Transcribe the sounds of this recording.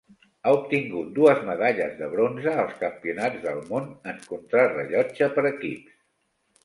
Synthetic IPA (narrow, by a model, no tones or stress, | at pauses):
aup̚t̪iŋɡut̪̚d̪uəzməðaʎəzðəβ̞ɾonzəːlˠskəmpiunad͡zðəlˠmonəŋkunt̪ɾarəʎɔd͡ʒəpəɾəkips